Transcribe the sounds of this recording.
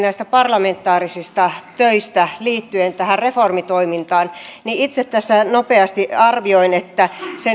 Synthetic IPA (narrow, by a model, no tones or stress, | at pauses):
næist̪æpɑrlɑment̪ːˑɑːrisist̪ɑt̪øist̪æliːt̪ːyent̪æhærreformit̪oimint̪ɑːnniit̪set̪t̪ːæsːænopeɑst̪iɑrʋioinet̪ːæse